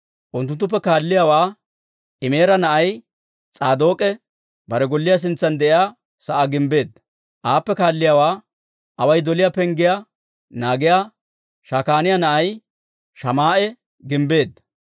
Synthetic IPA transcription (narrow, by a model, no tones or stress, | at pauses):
ʔʊnt̪̬ːʊnt̪ːʊp̬ːɛkaːlːɪjaːwaː | ʔɪme̞ːɾɐnɐʔɐj | t͡sʼaːd̪o̞ːkʼɛ | bɐɾɛɡɔlːɪjas̬ɪnt͡sːɐnd̪ɛʔɪjaː | sɐʔaɡɪmbe̞ːd̪ɐ | ʔaːpːɛkaːlːɪjaːwaː | ʔɐwɐjd̪ɔlɪjaːpɛŋɡɪja | naːɡɪjaː | ʃaːkaːnɪjanɐʔɐj | ʃɐmaːʔɛ | ɡɪmbe̞ːd̪ɐ